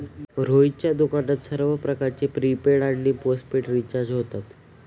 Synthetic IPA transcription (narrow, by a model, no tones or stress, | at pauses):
ɾoit͡ɕjad̪ukaɽət̪səɾʋəpɾəkaɾt͡ɕepɾipeɽaɽliːposʈpeʈɾit͡ɕaɾd͡ʑɦot̪at̪